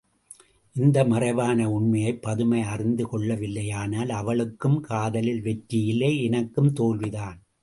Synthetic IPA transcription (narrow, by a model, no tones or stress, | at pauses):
ʔɪnd̪ɐmɐrɐɪʋaːnɐʊɳmɐjɐɪpːɐðɯmɐɪɐrɪnd̪ɯkɔɭːɐʋɪlːɐjaːnaːlɐʋɐɭɯkːɯmkʰaːðɐlɪlʋɛʈɾɪjɪlːɐːɛnɐkːɯmt̪oːlʋɪðaːn